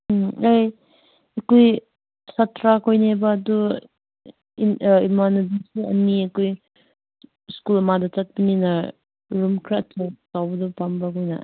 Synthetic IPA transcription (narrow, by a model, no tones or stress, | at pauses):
aj | ekoj | satʰɾakojnebaːdu | imanudisiɐ̰nːiekoj | skulɐmadat͡ʃat̚pinina | ɾumkʰɾatʰowkawbɐdupambakojna̰